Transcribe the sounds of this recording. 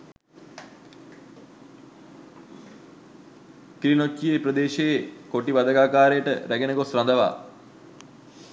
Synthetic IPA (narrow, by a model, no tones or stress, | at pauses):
kɾinot͡ʃːieprəd̪eːʃejekoʈiʋad̪əɡaːkaːɾejəʈə̰ɾæɡenəɡosrand̪əʋa̰ː